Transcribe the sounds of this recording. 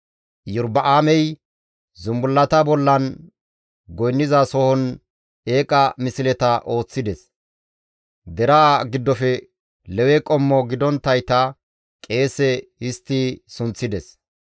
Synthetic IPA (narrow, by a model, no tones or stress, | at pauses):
jʊɾbɐʔaːmɛj | zʊmbʊlːɐt̪ɐbɔlːɐn | ɡɔjnːɪzɐsɔhɔn | e̞ːkʼɐmɪsɪlɛt̪ɐʔo̞ːt͡sːɪd̪ɛs | d̪ɛɾaːɡɪd̪ːɔfɛ | lɛwɛkʼɔmːɔɡɪd̪ɔnt̪ːɐjt̪ɐ | kʼe̞ːsɛɪst̪ːisʊnt͡sːɪd̪ɛs